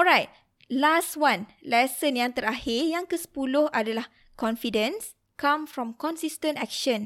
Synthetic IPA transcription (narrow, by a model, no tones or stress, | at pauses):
ɔɹajt̚ | lastwãnlɛsə̃njãŋt̪əɾahɪrjãŋkəsə̥pulʊhadalah | kɔ̃nfidə̃ns | kãmfɹɔ̃mkɔ̃nsistə̃ntɛk̚ʃə̃n